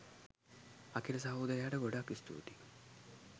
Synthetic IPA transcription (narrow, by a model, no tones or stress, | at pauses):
akiləs̬ɐɦowud̪əjaːʈəɡoɖakːist̪ṵːt̪i